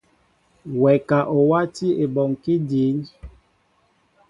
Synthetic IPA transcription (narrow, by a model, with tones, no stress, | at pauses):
wɛ˨ka˨ʔo˨wa˦ti˦e˨bɔ˨ŋki˦di˨˦n